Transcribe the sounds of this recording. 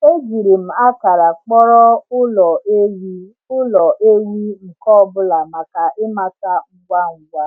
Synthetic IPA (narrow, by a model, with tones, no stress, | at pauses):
e˦d͡ʒi˨ɾi˨m̩˨a˦ka˨ɾa˨k͡pɔ˦ɾɔ˦ʊ˦lɔ˨ʔe˦wi˦ | ʊ˦lɔ˨ʔe˦wi˦ŋ̩˨kɔ˦ɔ˦bʊ˦la˨ma˨ka˨ʔɪ˦ma˦ta˦ŋ̩˦ɡʷa˦ŋ̩˨ɡʷa˦